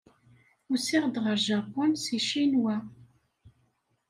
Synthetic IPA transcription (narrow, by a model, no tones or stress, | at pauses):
ʊsiʁd̪ʁəɾʒapːʊnsiʃinwæ